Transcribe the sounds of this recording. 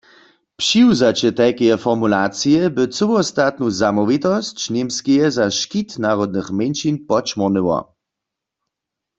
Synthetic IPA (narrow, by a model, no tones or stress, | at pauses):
pʃiwzat͡ɕɛt̪ɛjkejɛfɔʁmulat͡sijɛbɘt͡səwɔst̪at̪̚nuzamɔʋit̪ɔst͡ɕnemskejɛzaʃkit̪naʁɔd̪nɨxmenʃinpɔt͡ʃmɔʁnəwɔ̰